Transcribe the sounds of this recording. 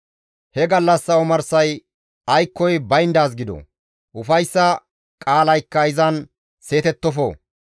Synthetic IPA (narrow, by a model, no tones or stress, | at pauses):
hɛɡɐlːɐsːɐɔmɐɾsɐj | ɐjkːɔjbɐjɪnd̪aːs̬ɡɪd̪ɔ̰ | ʔʊfɐjsːɐ | kʼaːlɐjkːɐɪzɐn | se̞ːt̪ɛt̪ːɔfo̰ː